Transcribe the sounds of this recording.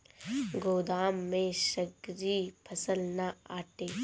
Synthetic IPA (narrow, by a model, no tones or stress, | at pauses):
ɡoːd̪aːmːẽʃəɡɾiːpʰɐsəlnaaːʈeː